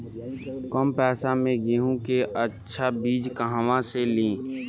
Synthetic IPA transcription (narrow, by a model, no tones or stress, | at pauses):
kɔmpɛːsamẽɡeɦũkeʔətːʃʰabiːd͡ʒkəɦãʋãselĩː